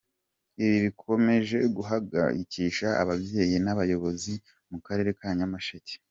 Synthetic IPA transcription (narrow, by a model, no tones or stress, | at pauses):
iβiβikʰo̞me̞ʒe̞ɡuɦaɡa̰ɾiciʃa̰ːβabje̞jenaβajo̞βo̞zi | mukaɾe̞ːɾe̞kaɲamaʃece̥